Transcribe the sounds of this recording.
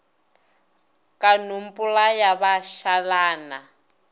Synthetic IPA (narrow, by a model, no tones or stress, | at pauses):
kanumpʼulajaβaʃalaːna